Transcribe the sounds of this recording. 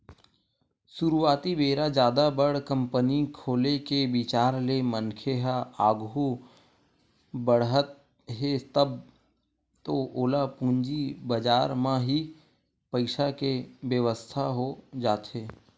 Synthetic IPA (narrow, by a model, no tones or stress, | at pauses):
sʊɾuaːt̪ibeːɾad͡ʒjaːd̪abəɽ̤kə̃mpənikʰoːlekebɪt͡ʃaːɾlemənkʰeɦaaːɡu | bəɽɦət̪̚ | ɦet̪əb̚ | t̪oʔoːlapũːɲd͡ʒibəd͡ʒaːɾmãɦi | pəɪʃakeʋjəʋəst̪ʰaɦod͡ʒaːt̪ɦeː